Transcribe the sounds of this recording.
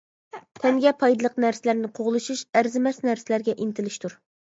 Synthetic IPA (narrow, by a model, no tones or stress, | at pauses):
t̪ʰɛŋɡʲɛpʰɑjd̪ɨlˠəqnæɾsɪlæɾnɪqʰoʁlˠɨʃuʃæɾzɪmɛsnæɾsɪlæɾɡʲɛʔint̪ʰɪlɪʃt̪ʰuɾ